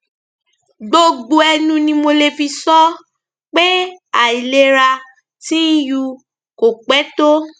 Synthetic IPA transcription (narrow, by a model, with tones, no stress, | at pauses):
ɡ͡bo˧ɡ͡bo˧ɛ˧nũ˧nĩ˧mo˧le˧fi˧sɔ˦ | k͡pe˦a˨i˨le˦ɾa˧ | tĩ˦ju˧ | ko˨k͡pɛ˨˦to˦